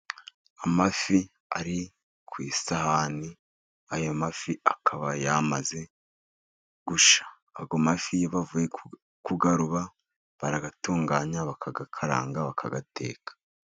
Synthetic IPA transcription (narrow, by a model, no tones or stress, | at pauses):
amafi | aɾi | kwiːsahani | ajomafiakʰaβajamaze̞ | ɡ̥uʃḁː | ɡomafijoβavuje | kuɡaɾuβa | βaɾaɡatuːŋɡaːɲaβakʰaɡakʰaɾa̰ːŋɡaβakʰa̰ɡate̞̰ːkḁ